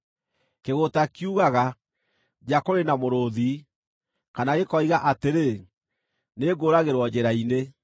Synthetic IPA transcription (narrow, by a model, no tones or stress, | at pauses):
keɣotakiuɣaɣa | d͡ʒakoɾenamoɾoði | kanaɣekɔiɣaʔateɾe | neɡoːɾaɣeɾwɔd͡ʑeɾaine